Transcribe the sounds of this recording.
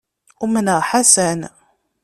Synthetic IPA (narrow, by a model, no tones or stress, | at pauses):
umənəħasæn